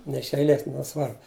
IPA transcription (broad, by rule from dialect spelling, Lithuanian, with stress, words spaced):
nʲɛ ɪʃ ɛɪˈlʲeːs nʲɛˈsʋɐrbʊ